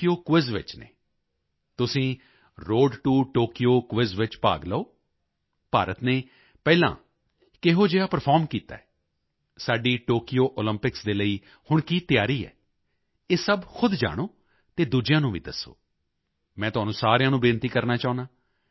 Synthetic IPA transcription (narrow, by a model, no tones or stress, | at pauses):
ijoːkʋɪzʋɪ̰t͡ʃnḛː | t̪ʊsĩː | ɾoːɖʈuːʈoːkioːkʋɪzʋɪt͡ʃpa̰ːɡləoː | paːɾət̪neː | pɛːlã̰ː | kɪɦoːd͡ʒeːaːpəɾpʰaːɾmkiːt̪a̰ːɛː | saːɖiːʈoːkɪjoːʔoːləmpɪksd̪eːləiː | hʊɳkiːt̪jaːɾiːɛ̰ː | eːsəbkʰʊd̪d͡ʒa̰ːɽ̃oː | t̪eːd̪uːd͡ʒɪjãːnũːʋḭːd̪əsːo̰ː | mɛ̃ːt̪ʊɦaːnũːsaːɾejãːnũːbɪːnt̪iːkəɾnaːt͡ʃaːʊ̃nd̪aː